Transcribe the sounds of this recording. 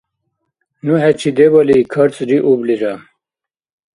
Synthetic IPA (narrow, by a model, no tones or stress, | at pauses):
nuɦɛt͡ɕʰid̪ebɐlikʰɐɾt͡sʼɾiʔubliɾam